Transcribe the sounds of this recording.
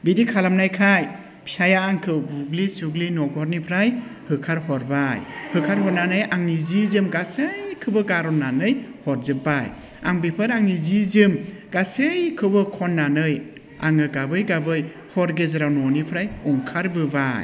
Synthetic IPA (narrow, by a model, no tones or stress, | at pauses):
bidikʰalamnajkʰaj | pʰiajaːŋkʰɯwbuɡlisuɡlinɔɡɔɾnipʰɾajhɯkʰaɾhɔɾbajhɯkʰaɾɦɔɾnanɯjaŋnizizɯmɡasɯjkʰɯbɯɡaɾɔnːanɯjhɔɾzɯbaj | a̰ŋbipʰɯɾaŋnizizɯmɡasɯjkʰɯbɯkʰɔnːanɯj | a̰ŋɯɡabɯjɡabɯj | hɔɾɡezɯɾawnɔnipʰɾajɔŋkʰaɾbɯbaj